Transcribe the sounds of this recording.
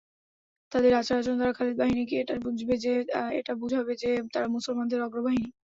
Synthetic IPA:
t̪ad̪eɾat͡ɕaɾad͡ʑond̪aɾakʰaled̪̚baɦinik̬ieʈaɾbud͡ʑʱbed͡ʑeḛʈabud͡ʑʱɦɔbed͡ʑet̪aɾamusolmand̪eɾɔɡɾobaɦini

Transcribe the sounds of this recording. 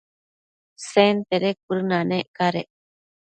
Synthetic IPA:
sent̪eɾek̚uɾɨnãnẽʔkaɾe

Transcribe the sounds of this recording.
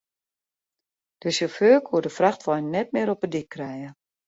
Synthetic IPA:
d̥əsjoføːkʰuədəfraxtʋɔjnnɛt̚mɪəɾɔpədikʰːrɛjə

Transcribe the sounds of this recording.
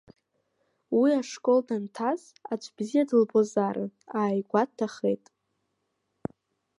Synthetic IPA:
wiaʂkʼo̞ldantʰaz | at͡ʃʷʰʼbzijadɨlbozaɾɨ̰aːjɡʷad̚tʰːaχḛjtʼ

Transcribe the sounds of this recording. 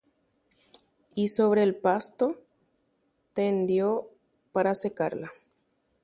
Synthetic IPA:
isoβɾeːlpast̪o | t̪end̪jo | paɾasekaɾla

